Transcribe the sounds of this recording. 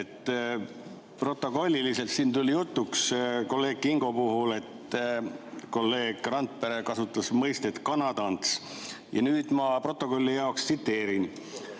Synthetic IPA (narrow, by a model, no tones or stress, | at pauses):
et̪ː | pro̞t̪ːˑo̞ko̞lʲːilise̞lt̪siːnt̪ulʲijut̪ːuksko̞lːe̞ːɡ̥̚kiŋɡ̥o̞puɦule̞t̪ | ko̞lːe̞ːɡ̥rɑnt̪̚peɾe̞kɑsut̪ːˑɑsmɤjst̪et̪kɑnɑd̪̥ɑnt̪s | jɑ̰nyːd̪̥mɑpro̞t̪ːˑo̞ko̞lʲːijɑokst̪sit̪ːe̞ːɾin